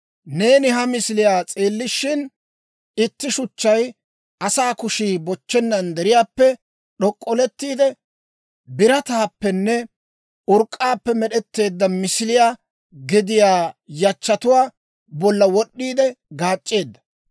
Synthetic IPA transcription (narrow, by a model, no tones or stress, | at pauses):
ne̞ːnɪɦɐmɪsɪlɪjaːt͡sʼeːlːɪʃɪn | ɪt̪ːɪʃʊt͡ʃːɐj | ʔɐsaːkʊʃiːbɔt͡ʃːɛnːɐnd̪ɛɾɪjaːpːɛ | ɗɔkʼːɔlɛt̪ːiːd̪ɛ | bɪɾɐt̪aːpːɛnːɛ | ʊɾkʼːaːpːɛmɛɗɛt̪ːe̞ːd̪ːɐmɪsɪlɪjaː | ɡɪd̪ɪjaːjɐt͡ʃːɐt̪ʊwaː | bɔlːɐwɔɗːiːd̪ɛɡaːt͡ʃʼːe̞ːd̪ːɐ̥